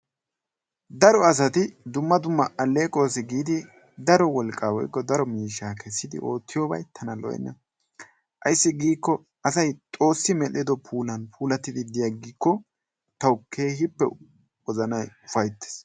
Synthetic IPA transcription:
d̪ɐɾɔɐs̬ɐt̪ɪd̪ʊmːɐd̪ʊmːɐʔɐlːeːkʼo̞ːsɛɡiːd̪ɪ | d̪ɐɾɔwɔlkʼːaːwɔ̰jkːɔd̪ɐɾɔmiːʃːaːkɛsːɪd̪ɪ̰ʔo̞ːt̪ːɪjoːbɐ̰jt̪ʰɐnɐlɔ̰jɛ̰nːɐ̰ | ʔɐ̰jsːɪɡiːkːɔ | ɐsɐjt̪ʼo̞ːsːɪmɛlɪd̪ɔpʰuːlɐnpʰuːlɐt̪ːɪd̪ɪd̪ɪjɐɡiːkːɔ | t̪ɐwkʰe̞ːhɪpːɛ | wɔzɐnɐjʊfɐjt̪ːe̥s

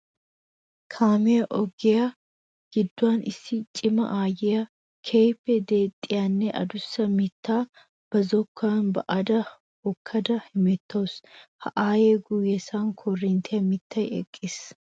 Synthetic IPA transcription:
kʰaːmɪjɐʔɔɡɛjɐ | ɡ̥ɪd̪ːʊaːnʔɪ̰sːɪt͡ʃʼɪmɐ̰ʔaːjɛjɐ | kʰeːpːɛd̪eːt̪ʼːɪjanːɛʔɐ̰d̪ʊsːɐmɪt̪ʰːaː | b̥ɐzɔkʰːaːnbɐʔɐd̪ɐ | hɔkʰːɐd̪ɐhɪmɛt̪ʰːoːshɐ̰ʔaːjeːɡʊjɛsaːŋkʰorːint̪ʰejɐmɪt̪ːɐjɛ̰kʼːɪs

